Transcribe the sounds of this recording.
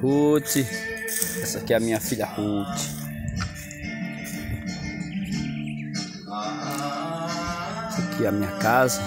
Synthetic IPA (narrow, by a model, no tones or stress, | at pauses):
uti | asakiamiafilahuti̥ | asakʰiamiakaza